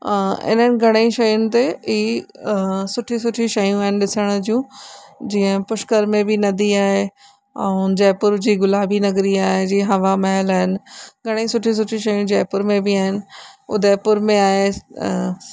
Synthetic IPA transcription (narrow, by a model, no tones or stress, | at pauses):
ɪ̰nənɪ̆ɡʱɐɽ̃əĩʃɐjʊnɪ̆t̪eiː | sʊʈʰĩsʊʈʰiʃɐjũaːɦɪnɪ̆ɗɪsəɽ̃d͡ʑũːd͡ʑiːə̃pʊʃkəɾmẽbʱɪnɐd̪iaːɦe | ɛ̰ũd͡ʑɛːpʊɾd͡ʑiːɡʊlaːbʱinɐɡɾiaːɦed͡ʑĩːɦɐʋamɐɦəlaːɦɪnɪ̆ɡʱɐɽ̃eĩsʊʈʰĩs̬ʊʈʰiʃɐjũd͡ʑɛːpʊɾmẽbiaːɦɪnɪ̆ʊ̰d̪ɛːpʊɾmẽaːɦe